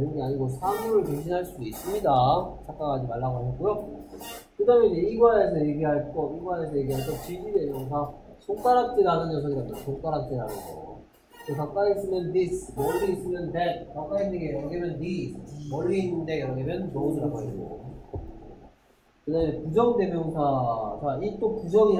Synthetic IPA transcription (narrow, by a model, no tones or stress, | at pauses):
ɾɯnɡeaɲiɡosʰamuɾɯɭpeŋɕ̬ʰinɦaɭs͈udois͈ɯmɲidat͡ɕ͈ʰak͈aɡad͡ʑimaɭːaɡoaɕʰʌt̚k͈ujo | kɯdamjeɲeiɡwae̞s̬ʰʌje̞ɡiɦaɭk͈ʌiɡwaesʰʌje̞ɡiɦaɭk͈ʌt͡ɕid͡ʑidwens̬ʰʌsʰoŋk͈aɾɦak̚t͡ɕ͈iɾanɯnjʌs̬ʰʌɡiɾamʌnsʰoŋk͈aɾak̚t͡ɕ͈iɾanɯnɡʌ | tekak̚k͈ais͈ɯnɯndismʌɭːiːs͈ɯnɯntekak͈ainɯŋɡeʌɡemjʌnːimʌɭːinɯndeɾʌɡemjʌnt͡ɕoniɾaɡoako | kɯdamekud͡ʑʌŋde̞bjʌŋsʰasait͈okud͡ʑʌŋi